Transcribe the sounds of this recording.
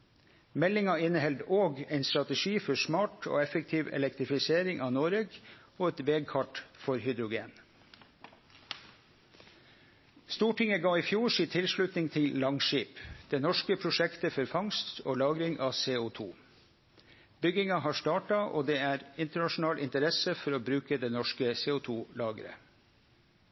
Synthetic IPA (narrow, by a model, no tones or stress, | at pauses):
mɛlɪŋɑɪnəhɛld̪oːɡɛɪnst̪ɾɑt̪əʃiːfɔsmɑːʈʰo̰ːɛfək̚t̪ʰiːʋɛ̰lɛkt̪ɾɪfɪseːɾɪŋʔɑːnoɾəɡoːɛt̪ʋeːɡ̚kʰɑʈfɔɾhʏd̪ɾʊɡḛːn | st̪uːʈɪŋəɡɑːiːfjuːsiːt̪ʰɪlʃɭʉt̪nɪŋt̪ʰɪllɑŋʃiːpd̪̥eːnɔʃkəpʰɾʊʃɛkt̪əfɔɾfɑŋst̪oːlɑːɡɾɪŋʔɑːseːʊt̪ʰṵː | bʏɡɪŋɑhɑːʂt̪ɑːʈɑʔo̰ːd̪eːæːɾɪnt̪əɳɑʃʊn̩ɑːlʔɪnt̪əɾɛsəfɔɾoːbɾʉːkəd̪eːnɔʃkəseːʊt̪ʰuːlɑːɡəɾə̰